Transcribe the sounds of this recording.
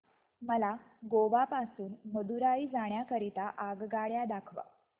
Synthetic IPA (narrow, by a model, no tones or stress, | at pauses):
məla | ɡoʋapasuːnməd̪uɾaiːd͡zaɽ̃jakəɾit̪aʔaɡɡaɭjad̪akʰʋa̰